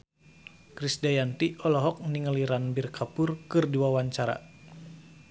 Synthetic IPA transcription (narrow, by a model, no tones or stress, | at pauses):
kɾisdajant̪iʔɔlɔɦɔk̚niŋəliɾanbirkʰapurkɨrdiwawaɲt͡ʃaɾa̰